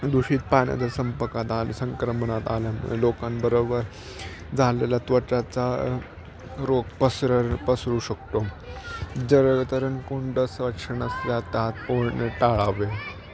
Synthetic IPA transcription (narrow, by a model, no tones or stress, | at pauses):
d̪uɕiːt̪̚panja̰d̪əsəmpəkat̪alsə̃ŋkɾəməɳat̪alan̰lokanbəɾobəɾ | d͡zʱalelat̪ʋət͡ɕat͡sa | ɾokpəsɾəɾpəsɾuːɕək̚t̪o | d͡zəɾɡt̪əɾənkoɳɖəsʋəkʂəɳəsjat̪at̪̚poɽɳeʈaɭaʋe